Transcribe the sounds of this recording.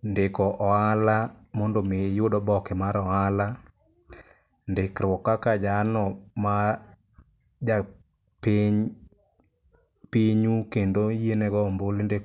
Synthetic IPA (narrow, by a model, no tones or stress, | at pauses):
ndekɔʔɔalamɔndomejodɔbɔkɪmaɾɔala | ndɪkɾwɔkakad͡ʒanɔma | d͡ʒa | peɲ | piɲukendojenɛɡɔmbolinde